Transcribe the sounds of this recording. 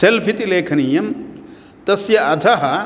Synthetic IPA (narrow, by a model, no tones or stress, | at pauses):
selpʰit̪ileːkʰɐnijɐm | t̪ɐsjɐɐd̪ʱɐɦɐ